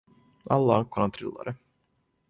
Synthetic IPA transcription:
alːakʰːɔnant̪ʰɾɪ̰lːa̰ɾə

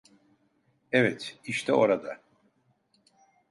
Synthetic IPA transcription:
ɛvɛt̪iʃt̪ʰɛoɾad̪a

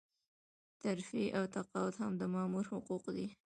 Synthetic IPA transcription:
t̪aɾfiʔawt̪aqɑwʊt̪hamd̪əmɑmuɾhʊquqd̪i

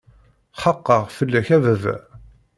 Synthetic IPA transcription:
χəqːəʁfəlːæçævəv

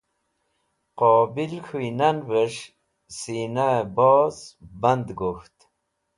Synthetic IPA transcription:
qobilxuinanvəʂ | sinabozband̪ɡuxt̪

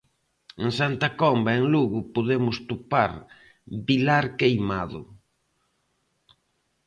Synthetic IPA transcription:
eŋsant̪akɔmbaeŋluɣʊpoðemʊst̪upaɾ | bilaɾkejmaðʊ̰

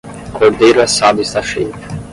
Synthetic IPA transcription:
kʰoɾd̪ejɾʊɛsad̪ʊist̪aʃejt̪ʊ̥

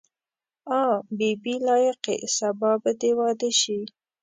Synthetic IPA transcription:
ɑbibilɑjɪqḛsabɑbəd̪ewɑd̪əʃi

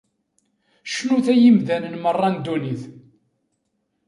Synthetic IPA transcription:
ʃnuθæjimðænənmərˤːɑnd̪uniθ

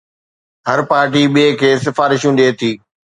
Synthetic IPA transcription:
ɦɐɾpaːɾʈ̬iɓiekʰeːsɪfaːɾɪʃũɗeːt̪ʰiː

